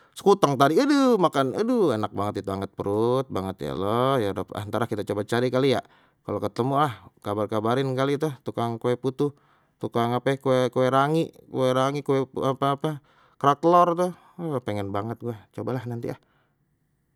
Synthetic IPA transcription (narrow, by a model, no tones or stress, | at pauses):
sə̥kut̪aŋt̪adiədəmakanədəenak̚baŋət̪it̪uaŋət̪̚pəɾut̪̚baŋət̪ja̰lɔjadapa̰nt̪aɾahkit̪at͡ʃobat͡ʃaɾikalija | kalokət̪əmuahkabarkabaɾɪnkalit̪ut̪ukaŋkowɛput̪u | t̪ukaŋapɛkowɛkowɛɾaŋiʔkowɛɾaŋikoɛapaːpa | kɾat̪lɔrt̪uh | peŋɛnbaŋət̪̚ɡuat͡ʃobalahnant̪ḭah